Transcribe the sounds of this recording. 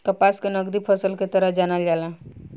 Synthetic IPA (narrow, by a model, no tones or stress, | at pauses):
kəpaskenʌɡd̪ipʰəsəlket̪əɾəɦd͡ʒanald͡ʒala